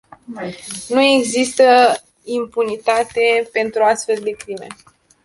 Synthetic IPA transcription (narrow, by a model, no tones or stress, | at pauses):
nue̞ɡzist̪ə | impunit̪at̪e̞pe̞nt̪ɾuast̪fe̞ld̪e̞kɾime̞̰